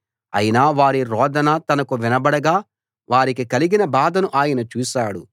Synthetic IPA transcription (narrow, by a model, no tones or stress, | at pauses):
ɐ̰jinaːʋaːɾiɾɔːd̪ɐnɐt̪ɐnɐkuʋinɐbɐɽɐɡaː | ʋaːɾikikɐliɡinɐbaːd̪ɐnuʔaːjɐnɐt͡ʃuːʃaːɽṵ